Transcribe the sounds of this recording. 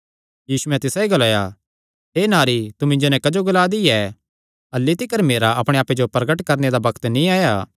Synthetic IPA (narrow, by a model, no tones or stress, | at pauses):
jiːsuɛ̃t̪ɪsaiɡɐlaːja | ɦeːnaːɾit̪umɪ̃ɲd͡ʒonɛ̃kɐd͡ʒoɡʊlaːd̪iɛː | ɐlːit̪ɪkəɾmeːɾaʔɐpɽ̃eaːped͡ʒopɾɐɡəʈkɐɾned̪abɐkt̪nĩaːjaː